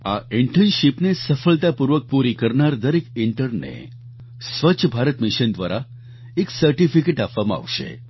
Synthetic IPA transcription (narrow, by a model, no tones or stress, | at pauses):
aɪɳʈʰənʃipnesəfəɭt̪apuɾʋək̚puɾikəɾnaɾd̪əɾekɪɳʈəɾnḛ | sʋət͡ʃʰəbʱaɾət̪mɪʃənd̪ʋaɾa | eksəɾʈifikeʈapʋamãa̰ʋʃḛ